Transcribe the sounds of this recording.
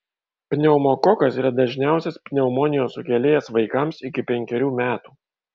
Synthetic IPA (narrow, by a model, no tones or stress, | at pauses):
pʲnʲɛʊmokɔkɐsiːɾɐd̪ɐʒʲnʲæˑʊsʲɛspʲnʲɛʊmɔnʲɪjoːsʊkʲɛlʲeːjɛsʋɐɪkɐmsɪkʲɪpʲɛŋʲkʲɛɾʲuːmʲæːt̪uː